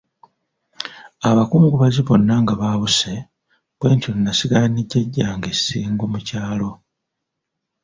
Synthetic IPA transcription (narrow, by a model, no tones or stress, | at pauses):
aβakuːŋɡuβaziβo̞nːaŋɡaβaβuse̞ | bwe̞ːɲtoninasiɡaniɟːeɟːaːŋɡesi̥siːŋɡomucaːlo̞